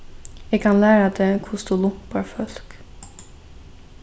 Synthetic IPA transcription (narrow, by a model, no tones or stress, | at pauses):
ɛkʰɑnlæːɾad̪eːkʰʊsdt̪ulʊpɑɾfœlk